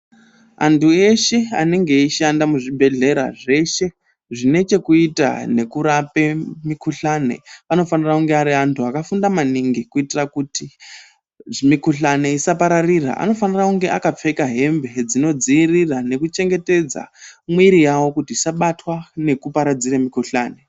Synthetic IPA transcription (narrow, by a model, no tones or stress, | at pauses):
a̰ntʰue̞ʃe̞a̰ne̞ŋɡe̞iʃandamuʐibʱe̞ɮe̞ɾa̰ʐe̞ʃe̞ | ʐine̞t͡ʃe̞kuita̰ne̞kuɾape̞mikʰuɬane̞̰ano̞fanirakuŋɡe̞aɾiantʰuakafundamaniŋɡikuitirakuti | mikuɬane̞isapaɾarira̰ʔa̰no̞fanirakuŋɡe̞ʔakap͡fe̞kaɦe̞mbe̞d͡zino̞d͡ziːrirane̞kut͡ʃe̞ŋɡe̞te̞d͡za̰mwiɾijawo̞kutiisaɓatwane̞kupaɾad͡ziremikuɬa̰ːne